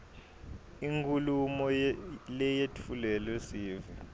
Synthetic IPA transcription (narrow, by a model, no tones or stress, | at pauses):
iŋkʰʼulumɔlɛjetʰulɛlɛsiːvi